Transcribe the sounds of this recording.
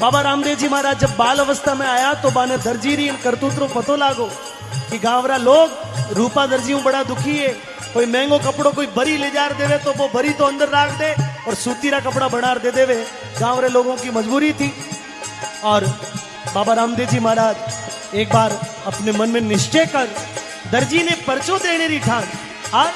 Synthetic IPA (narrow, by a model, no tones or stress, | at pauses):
baːbaɾãːmd̪eːd͡ʒiːmaːɾaːd͡ʒd͡ʒɐbːaːlɐʋəst̪ʰamẽaːjat̪obaːned̪ɐɾd͡ʒiːɾiɪnkɐɾt̪uːt̪ɾõpɐt̪olaːɡoː | kiɡãːʋɾaloːɡ | ɾuːpad̪ɐɾd͡ʒijõbɐɽad̪ʊkʰiɦɛː | koːimɛ̃ːŋɡokɐpɽõkoːibɐɾiled͡ʒaːɾd̪eːʋet̪oʋobɐɾit̪oɐ̃nd̪əɾːaːkʰd̪eːɔːɾsuːt̪iɾakɐpɽabɐɽ̃aːɾd̪eːd̪eːʋe | ɡãːʋɾeloːɡõkimɐd͡ʒbuːɾit̪ʰiː | ɔːɾ | baːbaɾãːmd̪eːd͡ʒimaːɾaːd͡ʒ | eːk̚baːɾ | ɐpnemɐnmẽnɪʃt͡ʃekɐɾ | d̪ɐɾd͡ʒinepɐɾt͡ʃod̪eːɽ̃eːɾiʈʰaːn | aː